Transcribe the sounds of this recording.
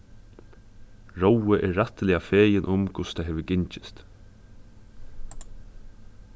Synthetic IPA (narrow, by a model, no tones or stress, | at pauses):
ɹowəʔɛɹːat̪lɪafeːjɪnʔʊmkʰʊst̪ʰajɦɛːʋʏɡɪɲt͡ʃɪ̥st̪